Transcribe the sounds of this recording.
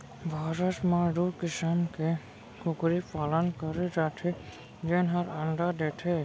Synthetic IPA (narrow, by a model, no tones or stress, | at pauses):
bʱaːɾəsmaɖuɾkɪsəmke | kʊkɾipaːlənkəɾiɾaʈ̪ʰi | d͡ʒenɦəɾɐɳɖad̪eːʈʰe